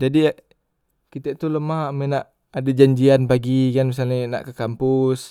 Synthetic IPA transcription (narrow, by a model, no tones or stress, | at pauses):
d͡ʒadi | kit̪ɛʔt̪uləmaɦamɛnaʔ | adad͡ʒaɲd͡ʒianpaɡikanmis̬alɲina̰ʔkəkampʊs